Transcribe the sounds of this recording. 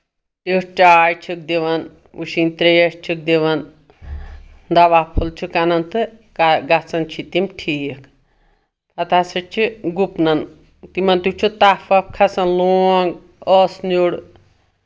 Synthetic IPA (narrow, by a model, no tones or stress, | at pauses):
iʂt͡ʃaːjt͡ʃʰik̚d̪iʋɐn | uʃinʲt̪ɾeʂt͡ʃʰik̚d̪iʋɐn | d̪ɐʋapʰult͡ʃʰukanɐnt̪ɨkaɡɐt͡sɐnt͡ʃʰit̪imʈʰiːk | ɐt̪asɐt͡ʃʰiɡupnɐn | t̪imɐnt̪ut͡ʃʰut̪afɐp̚kʰɐsɐnloːŋɡ | ɔːsnuɽ